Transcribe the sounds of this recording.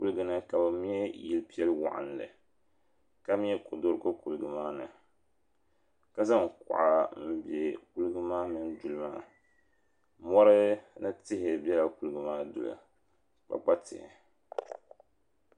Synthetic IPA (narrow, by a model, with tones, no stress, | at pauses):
ku˦lɨ˦ɡɨ˦nɨ˦ka˨bɨ˨mi˦ɛ˦ji˨lpi˦ɛ˦lwa̰˨ʔa̰˨n˨lɨ̰˨ | ka˦m˦ɛ˦ko˨do˦ɾko˦ku˨lɨ˨ɡɨ˨maː˦nɨ̰˨ | ka˦za˦ŋkʊ̰˨ʔa˨m̩˦bɛ˨ku˦lɨ˦ɡɨ˦maː˦mɨ˨n˦du˨lɨ˦maː˦˨ | mɔ˦ɾɨ˦nɨ˦tɪ˦ɦɪ˨bɛ˦la˨ku˨lɨ˨ɡɨ˦maː˦dʊ̰˨la̰˨ | k͡pa̰˨k͡pa˦tɪ̰˨hɪ̰˨